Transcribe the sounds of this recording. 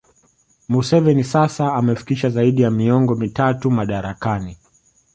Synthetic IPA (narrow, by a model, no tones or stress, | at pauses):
musɛvɛnisasaːmɛfi̥kiʃazaiɗijamiɔŋɡɔmitatumaɗaɾakani